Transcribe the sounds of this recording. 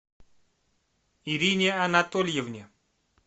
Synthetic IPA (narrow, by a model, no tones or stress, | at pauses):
iɾʲinʲeanat̪olʲjevnʲe